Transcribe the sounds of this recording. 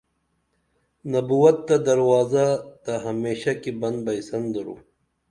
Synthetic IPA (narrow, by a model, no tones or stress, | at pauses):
nɐbuwɐt̪ːɐd̪ɐɾwaːzat̪ɐɦɐmeːɕakibɐ̃nd̪̚bɐisɐnd̪ɐɾṵ